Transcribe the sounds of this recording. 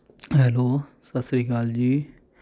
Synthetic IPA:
ɦɛloːsəsɾiːɡaːld͡ʒiː

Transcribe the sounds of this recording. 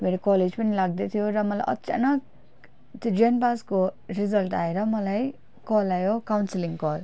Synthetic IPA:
meɾokɔled͡zpʌnilaɡ̚d̪et̪ʰijoɾʌmʌla̰jʔʌ̰tːt͡sa̰nʌk̚ | t̪od͡zenpaskorizʌlʈa̰eɾʌmʌlaj | kɔlajokawnsiliŋkɔl

